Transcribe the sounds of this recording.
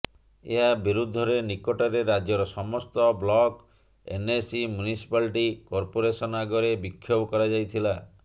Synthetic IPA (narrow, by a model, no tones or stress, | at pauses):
ḛɦabiɾud̪ʱːɔɾenikɔʈɔɾeɾad͡ʒjɔɾɔsɔmɔst̪ɔblɔk | ḛnesimjunisi̥palʈikɔɾpoɾesɔnaɡɔɾebikʰːjobɔkɔɾad͡ʒajt̪ʰila